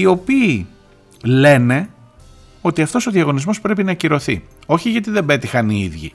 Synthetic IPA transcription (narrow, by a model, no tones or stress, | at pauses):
io̞piː | le̞ne̞ | o̞t̪iɐft̪o̞so̞ðiɐɣo̞nizmo̞spɾe̞pinɐciɾo̞θḭo̞çiʝɐt̪̬iðe̞be̞t̪ixɐniiðʝḭ